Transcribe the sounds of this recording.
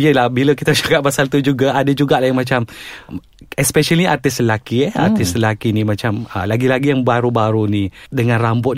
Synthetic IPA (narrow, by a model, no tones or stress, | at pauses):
jəlahbiləkit̪at͡ʃakaʔ̚pasalt̪ud͡ʒuɡaadad͡ʒuɡaʔlaimãt͡ʃam | ɛspɛʃaliart̪ɪslakiɛa̰rt̪ɪslakinimãt͡ʃaməlaɡilaɡijaŋbaɾubaɾunĩdəŋãnrambʊt̪̚